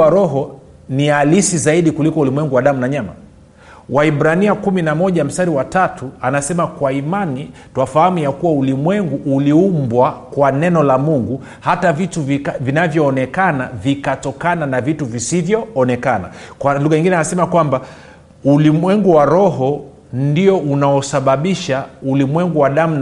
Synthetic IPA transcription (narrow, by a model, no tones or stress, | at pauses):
aɾɔɦɔ | nialisizaiɗikulikɔulimwɛŋɡuwaɗamunaɲama̰ | waiɓɾaniakuminamɔʄam̩staɾiwatatʰuanasɛmakwaimanituafahamujakuwaulimwɛŋɡuʔuliumbwakwanɛnɔlamuŋɡu | hatavituvivinavjɔːnɛkanavikatɔkananavituvisivjɔːnɛkana̰kwaluɣaɲiŋɡinɛanasɛmakwamba | ulimwɛŋɡuwaɾɔɦɔ | ndiɔʔunaɔsaɓaɓiʃaulimwɛŋɡuwaɗam̩n